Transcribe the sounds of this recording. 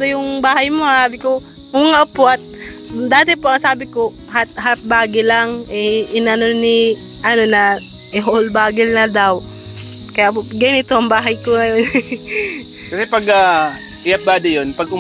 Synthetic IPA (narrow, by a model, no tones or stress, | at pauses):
t̪ojʊŋbaːhɐjmosaːbɪko | ŋʊŋapoʔɐt̪̚d̪aːt̪ɛpoʔɐŋsaːbɪko̞ | hat̪̚ɦat̪̚baːɡɪlaŋʔɛʔɪnɐno̞ni | ʔɐno̞nɐ | ʔɪɦolbaːɡɪlnɐd̪aw | kɐjapoɡɐjʊnɪt̪oʔɐŋbaːɦɐjkoŋɐjo̞n | kɐsɛpɐɡa | ɪjɐp̚baːd̪ɪjonpɐɡʊ